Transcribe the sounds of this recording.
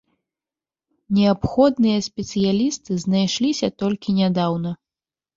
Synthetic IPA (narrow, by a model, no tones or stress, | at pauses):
nʲɛapxɔd̪nɨjɐsʲpʲɛt̪sɨjalʲist̪ɨznajʂlʲisʲɐt̪ɔlʲkʲinʲad̪awnɐ